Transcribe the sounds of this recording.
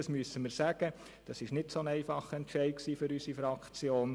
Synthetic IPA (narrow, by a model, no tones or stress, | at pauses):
ɑsmyəsəməɾsæɡ̥ə | d̥ɑsɪʃnɪtsoənɛɪfɑχəɛntʃɛɪt̚ksiːfʏɾysifɾɑkt͡sjoːn